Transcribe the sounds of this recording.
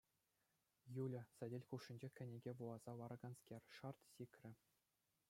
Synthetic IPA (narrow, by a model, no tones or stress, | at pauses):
julʲɘ̆sɘ̆dʲelʲkuʂːĭnʲd͡ʑekʲɘ̆nʲeɡʲeʋulˠɑz̥ɑʋɑɾɑ̆ɡɑnskʲerʲʂɑrt̪sʲikʲrʲɘ̆